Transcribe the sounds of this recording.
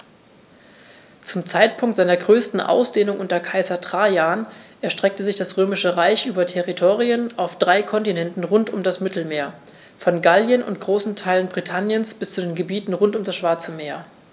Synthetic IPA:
t͡sʊmt͡saɪtpʰʊŋktzaɪnɐɡʁøːstn̩ʔa̰ʊsd̥eːnʊŋʔʊntɐkʰaɪzɐtʁ̥aːjaːnʔɛɐʃtʁ̥ɛk̚təzɪçd̥asʁøːmɪʃəʁaɪçʔyːbɐtʰɛʁitʰoːʁiənaʊfd̥ʁaɪkʰɔntinɛntn̩ʁʊntʊmdasmɪtl̩meːɐ | fɔnɡaljənʊ̰nt̚ɡ̥ʁoːsn̩tʰaɪlənbʁitʰanjənsb̥ɪst͡sudeːnɡəbiːtn̩ʁʊntʊmdasʃv̥aɐt͡səmeːɐ

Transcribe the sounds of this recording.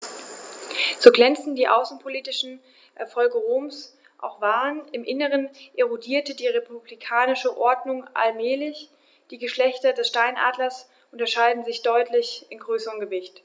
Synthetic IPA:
z̥oːɡlɛnt͡sn̩diːʔa̰ʊsn̩pʰoliːtɪʃn̩ | ʔɛɐfɔlɡəʁoːms | ʔa̰ʊxv̥aːʁənɪmʔɪnəʁənʔeʁodiːɐtədiːʁepublikʰaːnɪʃəʔɔɐdnʊŋʔa̰lmɛːlɪç | d̥iːɡəʃlɛçtɐdɛsʃtaɪnʔa̰ːdlɐs | ʔʊntɐʃaɪdn̩zɪçd̥ɔʏtʰlɪçʔɪnɡʁøːsəʁəmɡəvɪçt

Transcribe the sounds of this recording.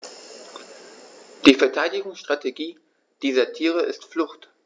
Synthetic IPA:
d̥iːfɛɐtʰaɪdɪɡʊŋsʃtʁ̥atʰeɡiː | d̥iːzɐtʰiːʁ̞əʔɪstflʊxt

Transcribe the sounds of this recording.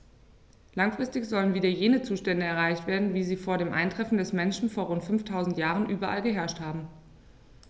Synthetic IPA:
laŋfʁ̥ɪstɪçz̥ɔlənviːdɐjeːnət͡suːʃtɛndəɛɐʁ̞aɪçtv̥eːɐdn̩viːziːfoːɐɾeːmʔa̰ɪntʁ̥ɛfn̩dɛsmɛnʃn̩foːɐʁʊntfʏnftʰaʊzn̩tjaːʁ̞ənʔyːbɐʔa̰lɡəɦɛɐʃthaːbm̩

